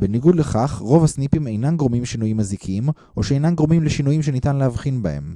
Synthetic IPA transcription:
beniɡud̪leχaχʁo̞vasnipime̞jnanɡʁomimʃinujimːazikʰim | ʔo̞ʃeejnanɡʁomimleʃinujimʃenit̪anleɦavχinbae̞̰m

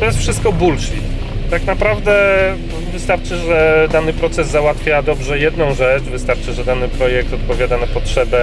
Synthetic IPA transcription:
t̪ɔjɛst̪fʂɘst̪̚kɔbulʂʲḭt | t̪aknapɾavd̪ɛ | vɘst̪aɾt͡ʂɘʐɛd̪anɘpɾɔt̪sɛzːawat̪fʲjad̪ɔbʐɛjɛd̪nɔ̃w̃ʐɛt͡ʂvɘst̪aɾt͡ʂɘʐɛd̪anɘpɾɔjɛk̚t̪ɔt̪̚pɔvʲjad̪anapɔtʂɛbɛ

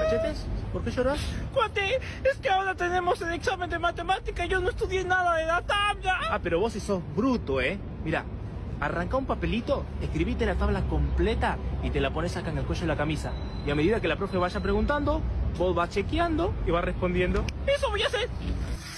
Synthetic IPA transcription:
at͡ʃet̪espo̞ɾke̞ʃo̞ɾaskwat̪e | eskeao̞ɾat̪e̞ne̞mo̞seleksame̞nd̪emat̪emat̪ikaʝonoest̪uðjenaðaðelat̪aβlaape̞ɾo̞βo̞siso̞zβɾut̪o̞e̞ | miɾa̰ | araŋkaumpape̞lit̪o̞eskɾiβit̪e̞lat̪aβlako̞mple̞t̪ait̪e̞lapone̞sakaeŋe̞lkot͡ʃeðelakamisa̰ | iame̞ðiðakelapɾofjeβ̞aʃapɾe̞ɣunt̪and̪o̞bo̞zβat͡ʃe̞kjand̪o̞iβarespo̞nd̪je̞nd̪o̞esoβojaseɾ

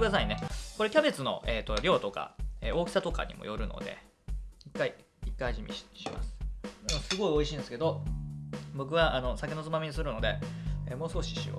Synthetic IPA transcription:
ɯd̪as̬aineko̞ɾe̞kʲabe̞t͡sɨno̞̰ʔeːt̪ːo̞ɾʲo̞ːt̪o̞ka̰eːo̞ːkʲi̥sat̪o̞ka̰ɲ̟ḭmo̞̰jo̞ɾɯ̟no̰d̪e̞̰ | ikːai | ikːaiʑimʲḭɕima̰sɨ̥osɨɡo̞io̞iɕĩːnd̪esɨ̥ke̞d̪o̞ | bo̞k̬ɯ̟βaʔano̞sakʲeno̞t͡sɨmamiɲ̟is̬ɨɾɯ̟no̞d̪e̞eːmo̞ːsɨ̥ko̞ɕi̥ɕḭo̰

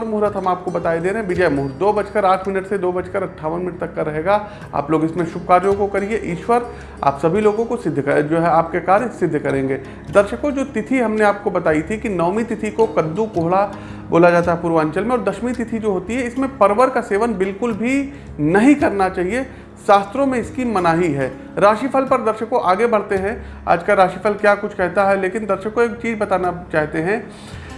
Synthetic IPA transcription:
ɾmʊɦɾət̪ɦɐmaːp̚kobɐt̪aːid̪eːɾɦɛ̃bɪd͡ʒɛemʊɦɾd̪oːbɐt͡ʃkəɾaːʈʰmɪnəʈsed̪oːbɐt͡ʃkəɾɐʈʰːaːʋənmɪnəʈ̚t̪ɐkːaɾɐɦeːɡa | a̰ːploːɡɪsmẽʃʊb̚kaːɾd͡ʒõkokɐɾieʔiːʃwəɾ | a̰ːpsɐbʱiloːɡõkosɪd̪ʱːkɐd͡ʒoːɦɛaːp̚kekaːɾsɪd̪ʱːkɐɾẽːŋɡeː | d̪ɐɾʃəkõd͡ʒoːt̪ɪt̪ʰiɦɐmneaːp̚kobɐt̪aːit̪ʰikinɐːmit̪ɪt̪ʰikokɐd̪ːukoːɦɭa | bo̰ːlad͡ʒaːt̪aɦɛpuːɾʋaːɲt͡ʃəlmẽɔːɾd̪ɐʃmit̪ɪt̪ʰid͡ʒoːɦoːt̪iɦɛɪsmẽpɐɾʋəɾkaseːʋənbɪlkʊlbʱi | nɐɦĩkɐɾnat͡ʃaːɦie | ʃaːst̪ɾõmẽɪskimɐnaːɦiɦɛː | ɾaːʃifʰəlpɐɾd̪ɐɾʃəkõʔaːɡebɐɽ̤t̪eɦɛ̃ | a̰ːd͡ʒkaɾaːʃifʰəlkjaːkʊt͡ʃʰkɛɦt̪aɦɛleːkɪnd̪ɐɾʃəkːoeːk̚t͡ʃiːzbɐt̪aːnat͡ʃaːɦt̪eɦɛ̃

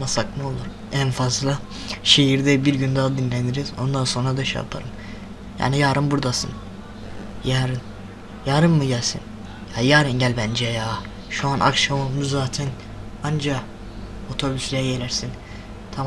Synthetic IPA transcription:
nasak̪ɯo̞lˠuɾ̥ | ænfazlˠa | ʃe̞ɦiɾd̪ɛbiɾɟynd̪aːd̪inlʲɛnd̪iɾizo̞nd̪anso̞nɾad̪aʃa̰pʰa̰ɾɯm | ja̰ːnijaːɾɯnbuɾd̪asɯ̰n | jaːɾɯn | jaːɾɯnːɯɟælʲsḭn | jaːjaːɾɯnɟælʲbænd͡ʒɛjaː | ʃuanʔa̰kʃamomuzaːt̪ʰɛn | and͡ʒa | o̞t̪ʰo̞byslʲejajelʲæɾsin | t̪ʰam

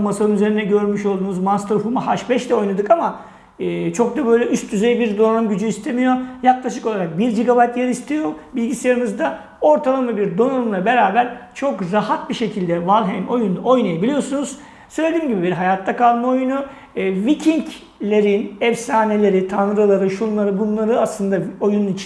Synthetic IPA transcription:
masaɾɯnyze̞ɾinɛɟø̞ɾmyʃo̞lˠd̪uːnuzmanst̪ɾfumahaʃbɛʃd̪ɛo̞jnad̪ɯkamaː | t͡ʃʰo̞k̚d̪abø̞jlʲɛʔyst̪̚dyzejbiɾd̪o̞numɟyd͡ʒyist̪ʰemijo̞jaklˠaʃɯko̞lˠaɾak̚biɾd͡ʒiɡabajt̪jeɾist̪ʰijo̞bilʲɟisejaɾɯnɯzd̪a | o̞ɾt̪ʰalˠamabiɾd̪o̞nanumlˠabeɾaːbæɾt͡ʃʰo̞kɾahat̪̚biʃe̞cʰilʲd̪ɛvalˠɦɛmo̞juno̞jnajabilʲijo̞sunuz̥ | søjlʲed̪iːmɟibibiɾɦajat̪ʰːakʰalˠmao̞junuː | vicʰiɲc | lʲe̞ɾinɛfsaːne̞lʲe̞ɾit̪ʰanɾɯlˠaɾɯʃunlˠaɾɯbunlˠaɾɯaslˠɯnd̪ao̞jununit͡ʃʰ

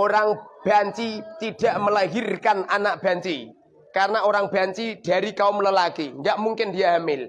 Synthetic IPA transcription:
oɾaŋb̥aɲt͡ʃit̪id̥a̤ʔməlaɦirkananaʔ̚b̥a̤ɲt͡ʃi | kaɾənaoɾaŋb̥a̤ɲt͡ʃid̥a̤ɾikaʊmləlakiŋɡaʔmuŋkɪndijaɦamɪl

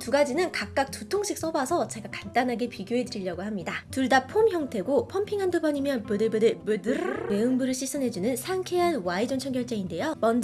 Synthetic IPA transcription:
tuɡad͡ʑinɯnkak̚k͈ak̚t͈utʰoŋɕʰik̚s͈ʌbasʰʌt͡ɕe̞ɡakant͈anɦaɡe̞piɡjoɦe̞dɯɾiʎjʌɡohamɲidatuɭdapʰomçjʌŋtʰe̞ɡopʰʌmpʰiŋɦandɯɡʌɲimjʌnpɯdɯbɯdɯbdme̞ɯŋbuɾɯɭɕʰis͈ɯnɦe̞d͡ʑunɯnsʰaŋkʰeɦanwaid͡ʑont͡ɕʰʌŋɡjʌɭt͡ɕ͈einde̞jomʌnd͡ʑ

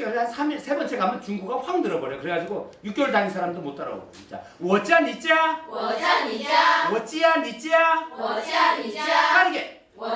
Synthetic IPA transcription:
ʌansʰamiɭsʰe̞bʌnt͡ɕ͈ʰekamjʌnt͡ɕuŋɡuɡaɸaŋdɯɾʌbʌɾjʌkɯɾeɡad͡ʑiɡojuk͈̚jʌɭtaŋisʰaɾamdomot͈ʌɾʌ̰bo̰ | it͡ɕ͈a̰ | wʌt͡ɕ͈ianit͡ɕ͈ia | wʌt͡ɕ͈ijanit͡ɕ͈ia | k͈aɾɯɡe

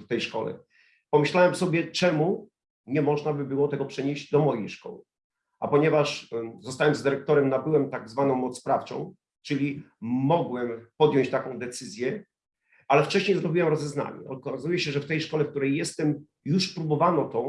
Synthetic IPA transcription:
ft̪ɛjʂkɔ̰lɛ̰ | pɔmɘɕlawɛmsɔbʲjɛt͡ʂɛmu | ɲɛmɔʐnabɘbɘwɔt̪ɛɡɔpʂɛɲeʑd͡ʑd̪ɔmɔjejʂkɔ̰wɘ | a̰pɔɲɛvaʂzɔst̪awɛmzd̪ɘɾɛk̚t̪ɔɾɛmnabɘwɛmt̪aɡzvanɔ̃w̃mɔt̪spɾaft͡ʂɔ̰̃w̃ | t͡ʂɘlʲimɔɡwɛmpɔd̪jɔ̃ɲt͡ɕt̪akɔ̃w̃d̪ɛt̪sɘzʲjɛ | alɛft͡ʂɛɕɲejzɾɔbʲiwɛmɾɔzɛzna̰ɲɛ̰ɔkazujɛɕɛʐɛft̪ɛjʂkɔlɛfkt̪uɾɛjːɛst̪ɛm | juʂpɾubɔvanɔt̪ɔ̃

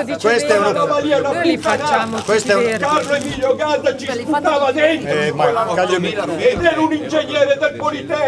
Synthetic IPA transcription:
west̪ɛnnaaliːaunapːut̪ːanakwest̪ɛkarːoɛmiʎjoɡaːt̪at͡ʃisput̪ːaːvad̪ɛnt̪ɾakaʎmet̪ːɛɾunind͡ʒeɲːɛːɾed̪elpolit̪ɛ

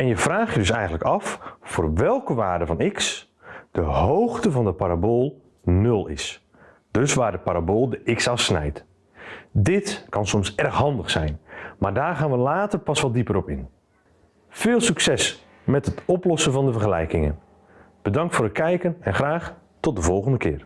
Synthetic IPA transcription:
ɛnjəv̥raːxjədɵsɛjɣəntləkɑffʊːrʋɛlˠkəʋaːrdəvɔnɪks | d̥əhowxtəvɑndəpaɾaboːlˠ | nɵlˠɪ̰s | d̥øsʋaːrdəpaɾaboːlˠdəɪksɑfsnɛ̰jt | dɪtkɑnsɔmsɛrxɦɑndəxsɛjnmardaːrχaːnʋəlaːtərpɑsʋɔlˠdipəɾɔpɪn | fɪːlˠsyksɛs | mɛtətɔplɔsənvɔndəvərχəlɛ̰jkɪŋə̰n | b̥ədɑŋktfoːɾət̚kʰɛjkənɛnxraːx | tɔt̚dəvɔlˠɣəndəkʰɪ̰ːr

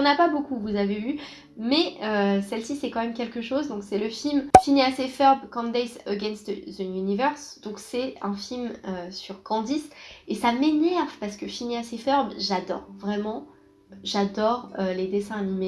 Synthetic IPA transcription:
ɔ̃napabokuvuzavey | mɛøsɛlsisɛkɑ̃mɛmkʲɛlkəʃozd̪ɔ̃ksɛləfilmfiniasefœʁbkɑ̃nd̪ɛsəɡʲɛ̃nst̪zəjynivœʁsd̪̥ɔ̃ksɛɛ̃filmøsyʁkɑ̃d̪isesamenɛʁvpaʁsə̥kəfiniasefœʁbʒad̪ɔ̰ʁvʁɛmɑ̃ | ʒad̪ɔʁøled̪esɛ̃anime

